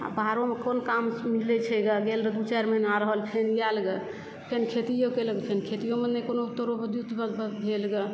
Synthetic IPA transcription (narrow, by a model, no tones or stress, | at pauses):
a̰bʱaɾomekonkammilɛt͡ʃʰɛɡaɡelɾed̪ut͡ʃaɾmenaɾəɦəlpʰenijalɡe | pʰenkʰet̪ijokeləɡpʰenkʰet̪ijomenekonot̪oɾobəd̪jut̪bəd̪bəbʱelɡe